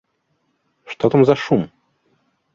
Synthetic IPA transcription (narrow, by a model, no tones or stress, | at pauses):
ʂt̪ot̪ɐmzɐʂum